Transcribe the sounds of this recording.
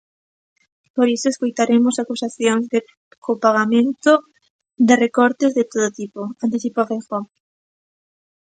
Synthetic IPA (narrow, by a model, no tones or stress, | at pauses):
poɾisoeskojt̪aɾemosakusaθjoŋzðe | kʰopaɣamẽnt̪o | d̪ɪrekɔɾt̪ezðɪt̪oð̞ot̪ipoant̪iθipafexɔ